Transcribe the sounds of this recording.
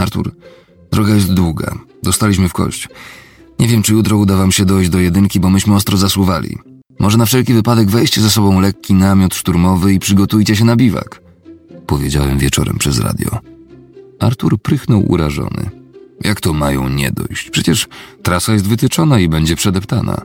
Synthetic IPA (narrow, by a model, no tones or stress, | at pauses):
aɾt̪ṵɾ | d̪ɾɔɡajɛst̪d̪wuɡa̰d̪ɔst̪alʲiɕ̬mɘfkɔ̰ɕt͡ɕu̥ | ɲɛvʲjɛmt͡ʂɘjut̪ɾɔud̪avamɕɛd̪ɔjd͡ʑd̪ɔjɛd̪ɘŋkʲibɔmɘɕmɘɔst̪ɾɔzaswuvalʲḭ | mʔɔʐɛnafʂɛlkʲivɘpad̪ɛɡvɛjɕt͡ɕɛzas̬ɔbɔ̃w̃lɛkʲːinamʲjɔt̪ʂt̪uɾmɔvɘipʂɘɡɔt̪ujt͡ɕɛɕ̬ɛnabʲiva̰k | pɔvʲjed͡ʑawɛmvʲjɛt͡ʂɔ̰ɾɛ̰mpʂɛzɾa̰d̪ʲjɔ̰ | aɾt̪uɾpɾɘxnɔwʔṵɾaʐɔ̰nɘ̰jakt̪ɔmajɔ̰̃w̃ɲɛ̰d̪ɔ̰jɕt͡ɕpʂɛt͡ɕɛʂt̪ɾasajɛs̬t̪vɘt̪ɘt͡ʂɔnaibɛɲd͡ʑɛpʂɛd̪ɛpt̪ana̰